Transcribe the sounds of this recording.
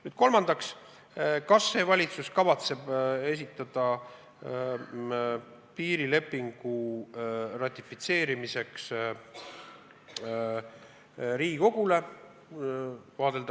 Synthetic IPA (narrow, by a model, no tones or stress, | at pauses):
nyːd̪̥ko̞lmɑnd̪̥ɑks | kɑsːe̞ːvɑlʲit̪suskɑvɑt̪se̞b̥e̞s̬it̪ːˑɑd̪̥ɑ | piːɾile̞pːiŋɡ̥u | rɑt̪ʲːˑifit̪se̞ːɾimise̞ks | ɾiːɡiko̞ɡ̥ule̞ | vɑːd̪̥e̞ld̪̥